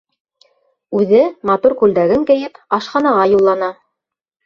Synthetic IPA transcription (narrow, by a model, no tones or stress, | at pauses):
ʉðɘmɑt̪uɾkʉld̪æɡɘŋkɘ̆jɘpɑʃqɑnɑʁɑjulˠːɑnɑ